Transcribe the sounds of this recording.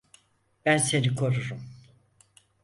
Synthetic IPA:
b̥ænse̞nikʰo̞ɾuɾum

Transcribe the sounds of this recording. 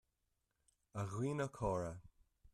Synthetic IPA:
aɣwiːnəkʰɔːɹə

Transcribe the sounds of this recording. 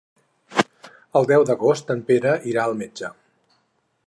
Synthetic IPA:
əlˠd̪ɛwd̪əɣost̪əmpeɾəʔiɾaəlˠmed͡ʒə

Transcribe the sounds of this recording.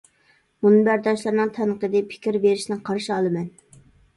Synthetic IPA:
munɨbæɾd̪ɑʃlˠɑɾnɨŋt̪ʰɛnəqəd̪ɪpʰɪ̥kʲiɾbeɾɪʃnɪqʰɑɾʃiɑlˠɨmɛn

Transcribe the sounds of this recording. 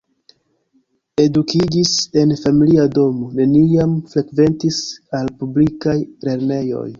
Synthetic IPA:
e̞dukid͡ʒise̞nfamiliado̞mo̞ne̞niamfɾe̞kve̞ntisalpublikajle̞ɾne̞jo̞̰j

